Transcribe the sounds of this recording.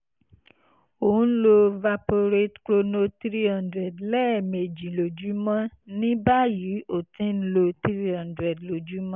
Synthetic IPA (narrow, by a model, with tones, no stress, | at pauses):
o˨ũ˨˦lo˧va˧po˧ɾe˦tklo˧no˧tɾi˦hã˧ndɾɛ˨dlɛ˦˨me˨d͡ʒi˨lo˨d͡ʒu˨˦mã˦nĩ˦ba˦ji˨˦o˨tĩ˦n̩˦lo˧tɾi˦hã˧ndɾɛ˨dlo˨d͡ʒu˨˦mã˦